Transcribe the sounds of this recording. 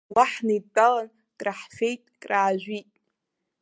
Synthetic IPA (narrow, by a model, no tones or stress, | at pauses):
waħnatʼalan | kʼraħfʲejtʼkʼraːʒᶣʷitʼ